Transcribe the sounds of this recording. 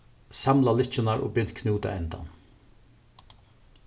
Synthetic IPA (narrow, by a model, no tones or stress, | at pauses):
samlalɪt͡ʃɪnaɹo̰ːbʏn̥t̪kʰnuːt̪a̰ɛnt̪a̰n